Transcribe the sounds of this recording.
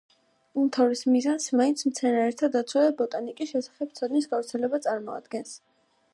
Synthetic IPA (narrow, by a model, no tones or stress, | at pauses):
umt̪ʰavɾismizansmaint̪sʰmt̪sʰɛnaɾɛɾt̪ʰad̪at̪sʰwad̪ɛbɔt̪ʼanikʼiʃɛsḁχɛb̚sʰad̪misɡavɾt̪sʰɛlɛbat̪sʼaɾmɔa̰d̪ɡɛns